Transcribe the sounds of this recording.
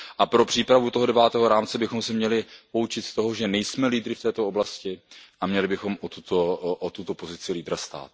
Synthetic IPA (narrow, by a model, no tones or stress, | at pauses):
ʔapɾo̞pr̥iːpɾavut̪oɦo̞dɛvaːt̪ɛːɦoɾaːmt͡sɛbɪxomsɛmɲɛlɪpout͡ʃɪt̪st̪o̞ɦo̞ʒɛnɛjsmɛliːd̪ɾɪft̪ɛːt̪ooblascɪʔamɲɛlɪbɪxo̞mʔot̪ut̪oʔot̪ut̪o̞po̞zɪt͡sɪliːd̪ɾast̪a̰ːt̪̚